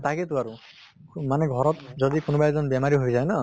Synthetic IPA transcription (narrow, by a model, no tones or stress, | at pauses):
t̪aket̪ʊaɹu | manɛɡʱɔɹɔt̪zɔd̪ikʊnubajzɔnbjɛmaɹiɦojzajna